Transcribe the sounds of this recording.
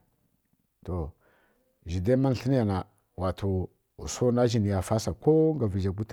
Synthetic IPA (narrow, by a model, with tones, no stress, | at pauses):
to˨ | ʒi˨de˦ma˦n˨ɬə˦n˦a˨na˨ | wa˨tʰo˨ | ṵ˨so˦na˦ʒi˨ni˨ja˨fa˦sa˨ko˦ŋɡa˨vi˨d͡ʒa˨ɡ̬u˦t